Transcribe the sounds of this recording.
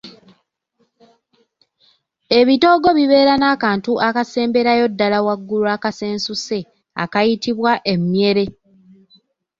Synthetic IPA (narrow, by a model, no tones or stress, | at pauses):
e̞βito̞ɡo̞βiβe̞ːɾanaːkaːntuʔakase̞ːmbe̞ɾajo̞dːalawaɡːuluakase̞ːnsuse̞ | a̰kajitiβwaʔe̞mje̞ɾe̞